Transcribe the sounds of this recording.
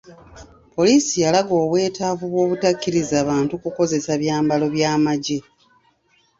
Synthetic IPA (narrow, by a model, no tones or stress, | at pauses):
po̞liːsijalaɡo̞ːβwe̞ːtaːvuβwo̞ːβutakːiɾizaːβaːntukuko̞ze̞saβjaːmbalo̞βjaːmaɟe